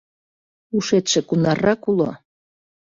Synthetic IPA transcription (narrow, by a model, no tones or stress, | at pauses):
uʃet̪ʃĕkunɑrːɑkulo̰